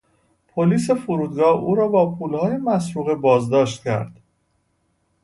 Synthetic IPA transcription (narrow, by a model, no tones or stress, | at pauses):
pʰoliːs̬e̞foɾuːd̪̚ɡɒːhuːɾɒːbɒːpʰuːlhɒːje̞mæsɾuːɣebɒːzd̪ɒːʃt̪cʰæ̰ɾd̪̥